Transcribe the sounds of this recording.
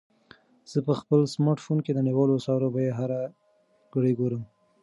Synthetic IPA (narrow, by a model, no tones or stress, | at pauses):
z̥əpəxpəlsmɑʈfonked̪əniwɑlosɑɾobajeɦaɾa | ɡ̥əɽiɡoɾəm